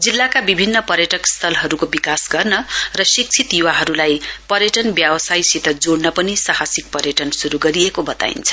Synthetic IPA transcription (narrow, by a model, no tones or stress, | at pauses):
d͡zilːakabibʱinːʌpʌɾjʌʈʌkst̪ʰʌlɦʌɾukobikasɡʌrnʌrʌsik̚t͡sʰit̪juwaɦʌɾulajpʌɾjʌʈʌnbjabʌsajsit̪ʌd͡zoɽnʌpʌnisahasik̚pʌɾjʌʈʌnsuɾuɡʌɾiekobʌt̪a̰ḭnt͡sʰʌ̥